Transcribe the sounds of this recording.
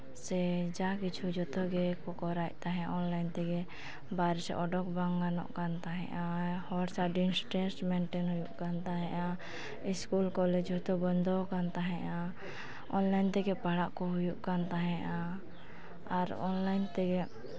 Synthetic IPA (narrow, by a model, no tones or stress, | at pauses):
sɛd͡ʒakit͡ʃʰud͡ʒɔt̪ɔɡɛkɔkɔɾac̚t̪aɦɛ̃ʔɔnlajnt̪ɛɡɛ | baɾɛsɛ̰ʔɔɖɔkbaŋɡanɔ̰ʔkant̪aɦɛ̰̃ʔahɔɾsaɖinsʈɛnsmɛɳʈɛnɦujuʔkant̪aɦɛ̃ʔa | iskulkɔlɛd͡ʒɦɔt̪ɔbɔnd̪ɔkant̪aɦɛ̃ʔa | ɔnlajnt̪ɛɡɛpaɽaʔkɔɦujuʔkant̪aɦɛ̃ʔa | aɾɔ̰nlajnt̪ɛɡɛ